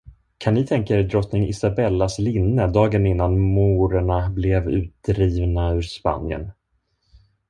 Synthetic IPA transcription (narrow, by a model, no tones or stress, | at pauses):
kʰanːɪt̪ʰɛŋkaɛɾd̪ɾɔt̪nɪŋɪ̰sabɛlːaslɪnːəd̪ɑːɡənɪnːanmuːɾəɳablɛvʉ̟ːt̪̚d̪ɾiːvnaʉɾspa̰njə̰n